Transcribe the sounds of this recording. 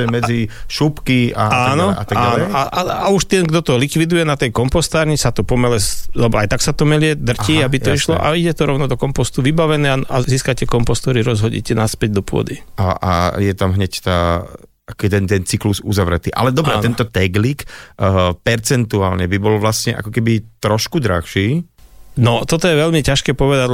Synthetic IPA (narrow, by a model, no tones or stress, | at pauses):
ɛmɛd͡ziʃupkia̰aːnɔa̰t̪aɡaanɛɔaaauʃt̪ɛnɡd̪ɔt̪ɔlikʋid̪ujɛnat̪ɛjkɔmpɔst̪aːɾɲisat̪ɔpɔmɛlɛzlɛbɔajt̪aksat̪ɔmɛlɪɛd̪r̩ciːabit̪ɔiʃlɔ̰ʔa̰iɟɛt̪ɔɾɔʊnɔd̪ɔkɔmpɔst̪uʋibaʋɛnɛːaziːskacɛkɔmpɔst̪ɔɾiɾɔzɦɔɟɛ̰cɛnaspɛɟ̚d̪ɔpʊɔ̰d̪iaa̰jɛt̪amɦɲɛct̪aː | akɔt̪ɛnt̪ɛnt͡sikluzuzaʋɾɛ̰t̪iːʔa̰lɛd̪ɔbɾɛɛnt̪ɔt̪ɛɡlik | pɛɾt͡sɛnt̪ua̰ːlɲɛbibɔlʋlasɲɛʔa̰kɔkɛbit̪ɾɔʃkud̪ɾa̰xʃiː | nɔt̪ɔt̪ɔjɛʋɛlmicaʃkɛːpɔʋɛd̪aɟ